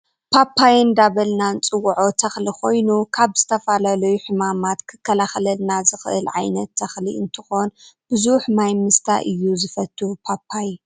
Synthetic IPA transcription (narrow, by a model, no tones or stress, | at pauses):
pʰapʰːajnd̪aβɐlnant͡sʼɨwːʕo̞t̪ʰɐxlikʰo̞jnukʰaβz̥ɨt̪ʰɐfalalɐjuħɨmamat̪kʰɨkʰːɐlaxɐlɐlnazɨxʔɨ̰lʕa̰jnɐt̪ʰːɐxliɨnt̪ʰɨxo̞nb̥ɨzuħmajmɨst̪ʰa̰ʔɨjːuzɨfɐt̪ʰːupʰapʰːaj